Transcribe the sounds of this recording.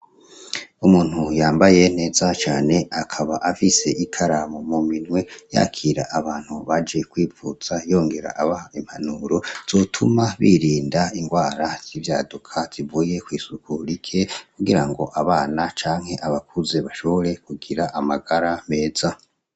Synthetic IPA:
umuːn̥hujaːmbaje̞n̥e̞ːzat͡ʃaːne̞akʰaβaʔafise̞ʔikʰaɾamomuminŋwe̞ja̰kʰiːɾa̰ʔaβaːn̥huβad͡ʒe̞kwiːvuz̥ajo̞ːŋɡe̞ɾa̰ʔaβahaim̥hanuɾo̞z̥oːtʰumaβḭɾiːndaiŋɡwaːɾaz̥ivjaːdukʰaz̥ivuːje̞kwiːsukʰuɾikʰe̞kuɡiɾaŋɡo̞̰ʔaβaːnat͡ʃaːŋhe̞ʔaβakʰuze̞βaʃo̞βo̞ɾe̞kuɡiɾaʔamaɡaɾame̞ːz̥a

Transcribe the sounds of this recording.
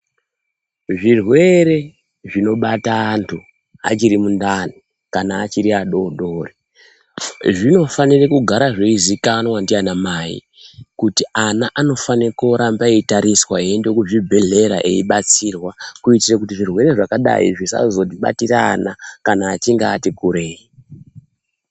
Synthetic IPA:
ʐirwe̞ɾe̞ | ʐino̞ɓataːntʰu | a̰t͡ʃiɾimundani | kanaːt͡ʃiɾiaɗo̞ɗoːri | ʐino̞fanirekuɡʱaɾaʐeizikanwandianamaḭ | kutianaʔano̞fanikoɾambaeitaɾiswaendekuʐibʱeɮe̞ɾa̰ʔe̞̰iɓat͡sirwakuitirekutiʐirwe̞ɾe̞ʐakaɗa̰ḭʐisa̰zo̞t̬iɓa̰tira̰ːnakanaːt͡ʃiŋɡaːtikuɾe̞ːi

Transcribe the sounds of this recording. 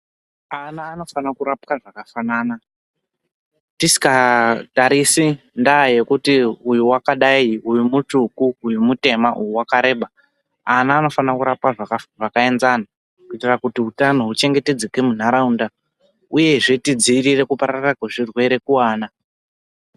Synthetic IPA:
anaːno̞fanakuɾap̚kaʐakafanaːna | tisi̥kataɾisi | ndaje̞kutiujuwakaɗaiujumutukuːjumute̞maʔujuwakaɾe̞ːɓa | anaːno̞fanakuɾap̚kaʐakaʐakae̞nzana | kuitirakutiutano̞ɦut͡ʃe̞ŋɡe̞te̞d͡zekemun̤aɾaunda | uje̞ʐetid͡ziːrire̞kupaɾarakweʐirwe̞ɾe̞kuwaːna

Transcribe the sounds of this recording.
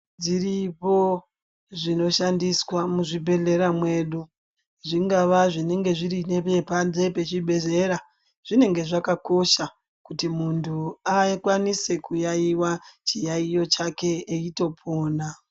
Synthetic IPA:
d͡ziripo̞ | ʐino̞ʃandiswamuʐibʱe̞ɮe̞ɾamwe̞ɗu | ʐiŋɡaʋaʐine̞ŋɡe̞ʐiɾine̞pe̞pand͡ze̞pe̞t͡ʃiɓʱe̞ze̞ɾa | ʐ̥ine̞ŋɡe̞ʐakako̞ʃa | kutimuntʰuakwanise̞kujaiwat͡ʃijaijo̞t͡ʃake̞ːito̞pʰoːna

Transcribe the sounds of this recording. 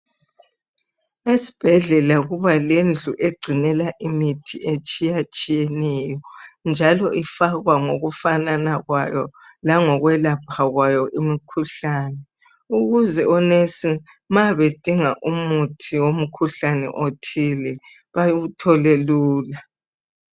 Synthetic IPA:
esi̥b̥ʱɛɮɛlaɣuβalend͡ɮʱuʔeɡ͡ǀʱinɛlaʔimitʰiʔet͡ʃʼijat͡ʃʼijɛnɛjɔnd͡ʒʱalɔʔifaɣwaŋoɣufananaɣwajɔ̰ | laŋɔɣwɛlapʰaɣwajɔʔimikʰuɬaːnɛ | uɣuzɛɔnesi | maβed̥ʱiŋaʔumutʰiwom̩kʰuɬanɛ̰ʔotʰilɛ | βaɣutʰɔleluːla

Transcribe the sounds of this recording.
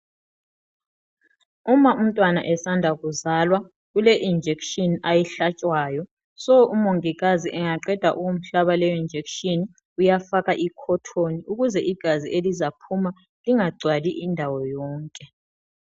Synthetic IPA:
umaʔum̩tʼwana̰ʔɛsandʱaɣuzalwa | ɣuleʔind͡ʒʱekʃɔnajɛɬat͡ʃʼwaːjɔ | sɔumoŋiɣaziʔɛŋaǃɛd̥ʱa̰ʔuwom̩ɬaβalɛind͡ʒʱekʃʼɔn | ujafaɣaʔikʰɔtʰoniuɣuzɛʔiɡ̥ʱaziʔelizapʰuma | liŋaɡ͡ǀʱwaliʔindʱawɔjɔːŋkʼɛ

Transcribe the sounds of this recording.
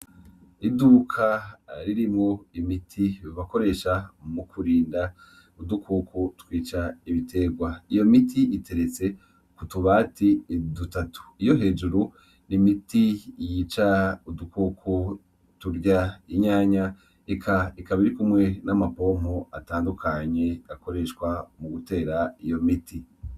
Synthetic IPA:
idukʰaɾiɾimhoimitʰiiβako̞ɾe̞ːʃamukʰuɾiːnda | udukʰuːkʰutwiːt͡ʃaiβitʰe̞ɡwaijo̞mitʰiʔitʰe̞ɾe̞t͡se̞ | kutuβaːtidutatu̥ijo̞ɦe̞ːd͡ʒuɾu | nimitijit͡ʃaudukʰukʰu | tuɾɟaiɲaːɲa | ekʰaikaβiɾikumŋe̞namapo̞m̥hoa̰taːndukʰaɲe̞ako̞ɾe̞ʃkwamuɡute̞ːɾaijo̞mitʰi

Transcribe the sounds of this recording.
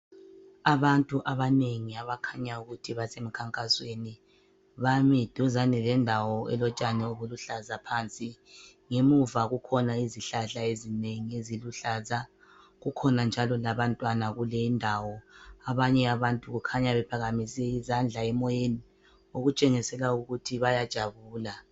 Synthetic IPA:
aβantʼuʔaβaneŋiaβakʰaɲauɣutʰiβasem̩kʰaŋkʼasweni | βamid̥ʱuzanilɛndʱawɔɛ̰lɔt͡ʃʼanɛoβuluɬazapʰant͡sʼi | ŋemuvaɣukʰɔnaiziɬaɬaezineŋieziluɬaza | ɣukʰɔnand͡ʒʱalɔlaβantʼwanaɣulɛindʱawɔaβaɲɛaβantʼuɣukʰaɲaβɛpʰaɣamisɛizand͡ɮʱaɛmɔjeni | oɣut͡ʃʼɛŋisɛlauɣutʰiβajad̥ʒ̥ʱaβuːla

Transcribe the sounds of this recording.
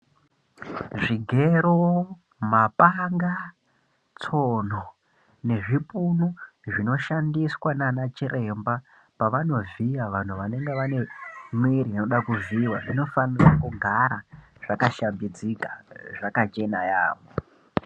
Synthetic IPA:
ʐiɡʱe̞ɾo | mapaŋɡa | t͡son̤o | ne̞ʐipunu | ʐino̞ʃandiswananat͡ʃiɾʔe̞mba | paʋano̞viaʋan̤uʋane̞ŋɡeʋane̞mwiɾinoɗakuviwaʐino̞fanirakuɡʱaɾa | ʐ̥akaʃambid͡zikaʐakat͡ʃe̞naja̰ːʋo

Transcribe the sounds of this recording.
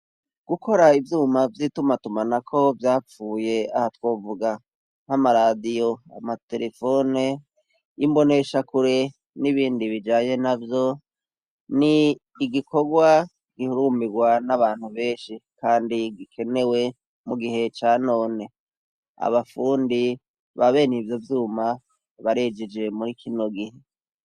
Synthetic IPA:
ɡ̥uko̞ɾaivjuːmavjitumatumanakʰo̞vjaːp͡fuːje̞ahatwo̞ːvuɡa | n̥hamaɾadijo̞a̰mate̞̰ɾe̞fo̞ne | imbo̞ne̞ʃakuɾe̞ | niβiːndiβid͡ʒaːɲe̞navjo̞ | niː | ɡiko̞ɡwa | ɡ̥ihuɾuːmiɡwanaβaːn̥huβe̞ːʃikaːndiɡikʰe̞ne̞we̞ | muɡiɦe̞t͡ʃaːno̞ːne̞ | a̰βafuːndi | βaβe̞ːnivjo̞vjuːma | βaɾe̞d͡ʒed͡ʒe̞muɾikʰino̞ɡihe

